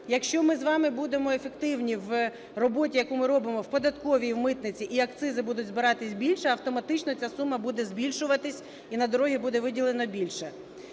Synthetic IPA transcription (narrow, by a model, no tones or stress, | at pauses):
jɐkʃt͡ʃɔmɪzʋɑmɪbud̪emɔefekt̪ɪwnʲiʋ | rɔbɔtʲijɐkumɪɾɔbɪmɔwpɔd̪ɐt̪kɔʋʲijwmɪt̪nɪt͡sʲiʔiɐkt̪sɪzɪbud̪ʊtʲzbɪɾɑt̪ɪsʲbʲilʲʃɛɐwt̪ɔmɐt̪ɪt͡ʃnɔt͡sʲasumːɐbud̪ɛzbʲilʲʃʊʋɐt̪ɪsʲ | inɐd̪ɔɾɔɦʲibud̪ɛʋɪdʲilˠenɔbʲilʲʃɛ